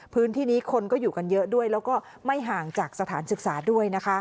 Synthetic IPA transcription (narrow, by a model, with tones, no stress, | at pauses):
pʰɯː˦˥nt̪ʰiː˥˩niː˦˥kʰo˧nkɔː˥˩juː˨˩ka˧njɤ˦˥ʔdu˥˩əjlɛː˦˥wkɔː˥˩ | ma˥˩jɦaː˨˩ŋt͡ɕaː˨˩k̚sa˧t̪ʰaː˩˦nsɯ˨˩k̚saː˩˦du˥˩əjna˦˥kʰa˦˥ʔ